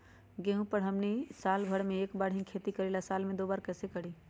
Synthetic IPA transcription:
ɡeɦũpəɽɦəmnisaːlbʱəɽmẽeːkbaːɽɦĩkʰeːt̪ikəɾelasaːlmẽd̪oːbaːɾkɛːsekəɽiː

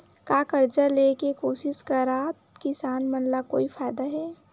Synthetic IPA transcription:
kaːkəɾd͡ʒaleːkekoːsɪskaɾaːt̪kɪsaːnmənlakoːifʰaːɪd̪aɦɛː

